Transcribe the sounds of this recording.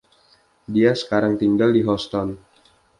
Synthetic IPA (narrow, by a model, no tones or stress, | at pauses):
diasə̥kaɾaŋt̪iŋɡaldiɦɔst̪ɔn